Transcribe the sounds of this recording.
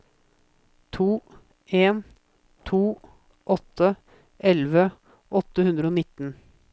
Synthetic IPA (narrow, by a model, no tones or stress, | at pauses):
t̪ʰuː | eːn | t̪ʰuː | ʔɔt̪ʰːə | ʔɛlʋə | ʔɔt̪ːəhʉnd̪ɾəoːnɪt̪ːn